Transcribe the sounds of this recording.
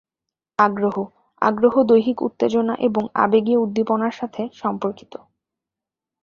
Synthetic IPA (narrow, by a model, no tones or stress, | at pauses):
aɡɾoɦo | a̰ɡɾoɦod̪ojɦikṵt̪ːed͡ʑonaʔeboŋa̰beɡieud̪ːiponaɾʃat̪ʰeʃɔmpoɾki̥t̪o